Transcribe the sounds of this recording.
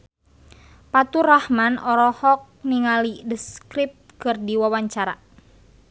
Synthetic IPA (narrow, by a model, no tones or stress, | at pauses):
pat̪urahmanɔɾɔhɔk̚niŋalidəskɾip̚t̪̚kɨrdiwawaɲt͡ʃaɾa̰